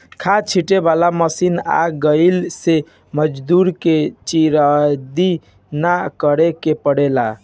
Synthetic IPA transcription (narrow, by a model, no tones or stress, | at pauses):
kʰat͡ʃʰiʈebalaməsina̰ɡəlse | məd͡ʒd̪uɾket͡ʃiɾad̪i | nakəɾekepəɽela